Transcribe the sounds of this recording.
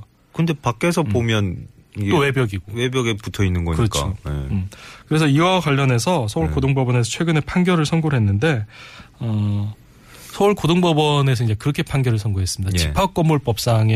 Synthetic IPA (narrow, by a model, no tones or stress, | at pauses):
kɯnde̞pak͈e̞sʰʌpomjʌnowe̞bjʌɡiɡowebjʌɡeputʰʌinːɯnɡʌ̰kɯɾʌkt͡ɕ͈ʰo̰mkɯɾe̞sʰʌiɡwakwaʎːʌne̞sʰʌsʰʌuɭkodoŋbʌbʌne̞s̬ʰʌt͡ɕʰwe̞ɡɯne̞pʰaŋɡjʌɾɯɭsʰʌnɡoɾɦenːɯnde̞ʌ | sʰʌuɭkodoŋbʌbʌne̞sʰʌiɲd͡ʑe̞kɯɾʌkʰe̞pʰaŋɡjʌɾɯɭsʰʌnɡoɦe̞s͈ɯmɲidat͡ɕipʰak͈ʌmːuɭp͈ʌp̚s͈aŋe